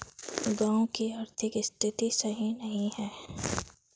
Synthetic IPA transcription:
ɡãːõkiaɾt̪ʰɪkɪst̪ʰɪt̪isɐɦĩnɐɦĩɦɛː

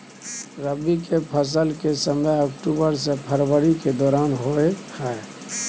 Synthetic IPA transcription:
ɾəbikepʰəs̬əlkesəməjɔkʈuːbəɾsepʰəɾwəɾiked̪ɔːɾaːnɦoːehɛe

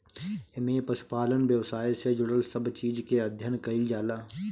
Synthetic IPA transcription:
ɪmẽpɐsɪ̥paːlənʋjəʋsaːised͡ʒʊɽəlsəbt͡ʃiːd͡ʒkeɐd̪ʱjənkɐid͡ʒaːlaː

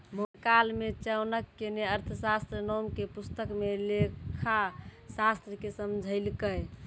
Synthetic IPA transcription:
mokalmet͡ʃəwnəkːeneəɾt̪ʰəsast̪ɾənɔmkepust̪əkmelekʰasast̪ɾəkesəmd͡ʒʱəɪlkəj

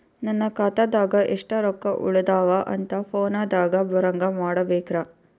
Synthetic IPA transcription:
nɐnːɐkaːt̪aːd̪aːɡɐʔɛʂʈɐɾɔkːɐʔṵɭɐd̪aːʋɐʔɐ̰nt̪ɐpʰoːnaːd̪aːɡɐbɐɾɐŋɡɐmaːɽɐbɛːkɾaː

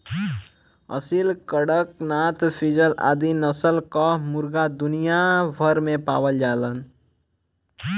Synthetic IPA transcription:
ə̰silkəɽəknat̪pʰid͡ʒəla̰ːd̪inəsəlkɔmʊɾɡad̪ʊnijabʱəɾmẽpa̰ːwəld͡ʒaːlən

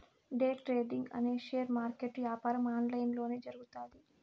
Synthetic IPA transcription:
ɖeːʈɾeːɖiŋɡɐ̰neːʃejɐɾmaːɾkeʈʋjaːpaːɾɐmaːnlɐjnlo̞ːneːd͡ʒɐɾuɡut̪aːd̪i

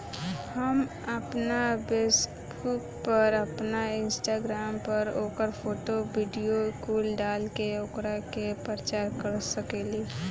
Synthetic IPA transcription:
həm | əpnabeːs | buːk̚pəɾəpnaɪ̃nsʈaːɡɾaːmpəɾoːkəɾpʰoːʈobiːɖijokuːlɖaːlkeʊkɾakepɾət͡ʃaːɾkəɾsəkeːliː

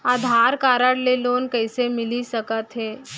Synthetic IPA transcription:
aːd̪ʱaɾkaːɾəɽleloːnkəjsemɪlisəkət̪ɦeː

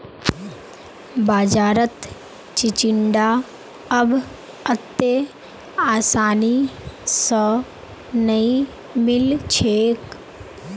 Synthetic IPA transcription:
baːd͡ʒaːɾət̪ | t͡ʃit͡ʃɪɳɖaː | əb | ət̪ːe | aːsaːnisɔ | nəĩ | mɪlt͡ʃʰeːk

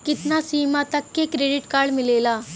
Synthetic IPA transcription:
kɪt̪naːsiːmaːt̪əkːeːkɾeːɖɪʈkaːɽmɪleːlaː

